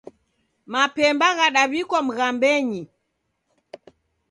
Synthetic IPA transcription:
mapɛmbaɣaɗaβikɔm̩ɣambɛɲi

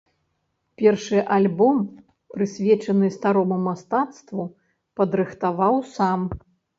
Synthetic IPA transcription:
pʲɛrʂɨʔalʲbɔm | pɾɨsʲvʲɛt͡ʂɐnɨst̪aɾɔmumast̪at̪st̪vu | pɐd̪ɾɨxt̪avawsam

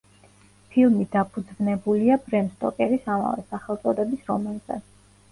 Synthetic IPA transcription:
pʰilˠmid̪apʰud̪znɛbuliabɾɛmst̪ʼɔkʼɛɾisama̰vɛsaχɛlˠt̪sʼɔd̪ɛbisɾɔmanzɛ̰

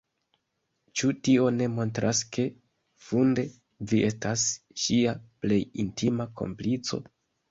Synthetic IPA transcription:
t͡ʃutio̞ne̞mo̞ntɾʔaske̞ | funde̞ | viʔe̞stas | ʃiaple̞jintimako̞̰mplit͡so̞̰

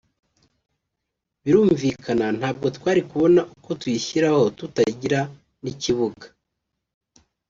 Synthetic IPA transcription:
βiɾuːɱviːkʰanan̥haːb̚ɡo̞twaːɾikuβo̞naʔuko̞twiçiɾaho̞tutaɟiɾa | niciβuɡḁ

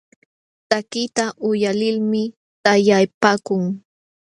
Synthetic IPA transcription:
t̪akɪt̪aʔʊjalɪlmɪ | t̪ajajpaːkʊŋ

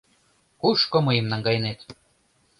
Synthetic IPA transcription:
kuʃkomɤjə̆mnɑŋɡɑjɤ̆net̪

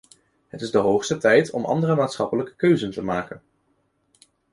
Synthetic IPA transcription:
ɦətɪzdəɦowχstətɛjtʰɔ̰mʔɑ̰ndərəmaːtsχɑpələkə̥køɥzəntəmaːkən

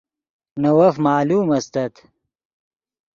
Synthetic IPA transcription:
nɐwɐfmaːluːmɐst̪ɐt̪

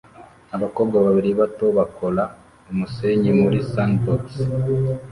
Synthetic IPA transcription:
aβakoːb̚ɡaβaβiɾiβato̞βakola | umuseːɲimuɾisantoks

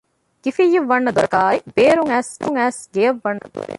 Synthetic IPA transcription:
ɡ̥ifijːiʋːɐnːɐd̪uɾɐkaːib̥eːɾuŋæːst̪uŋæːsɡejɐʋːɐnːɐ̰

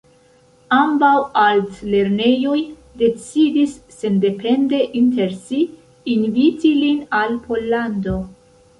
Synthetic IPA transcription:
ambawaltle̞ɾne̞jo̞j | de̞t͡sidisːe̞nde̞pʰe̞nde̞ʔinte̞ɾsiː | nvitilinalpʰo̞lːando̞

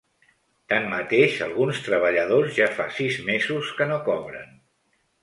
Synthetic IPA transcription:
t̪anmət̪eʃə̰lˠɣunst̪ɾəβəʎəðozʒafa̰sizmezuskənokɔβɾə̰n

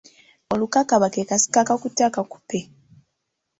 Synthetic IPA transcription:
olukakaβakekasi̥kakakutːakaku̥pe

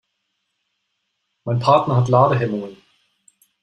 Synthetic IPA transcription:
maɪnpʰaːtnɐhat̪laːdəɦɛmʊŋən

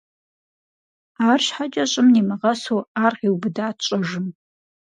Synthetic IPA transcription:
aːrʃħat͡ʃʼɐɕʼɪmniːmɨʁɐsoːaːrʁiwbɨdaːtt͡ʃʷʼɐʒɨm

